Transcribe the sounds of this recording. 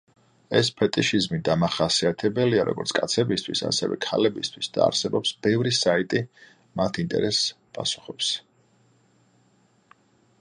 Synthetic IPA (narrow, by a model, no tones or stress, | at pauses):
ɛspʰɛt̪ʼiʃizmid̪amaχasiat̪ʰɛbɛliaɾɔ̰ɡɔ̰ɾt̪sʰkʼat̪sʰɛbist̪ʰwisa̰sɛ̰vɛ̰kʰa̰lɛbist̪ʰwisd̪̥a̰ːɾsɛbɔpsb̥ɛvɾisait̪ʼi | mat̪ʰint̪ʼɛ̰ɾɛs | pʼasu̥χɔps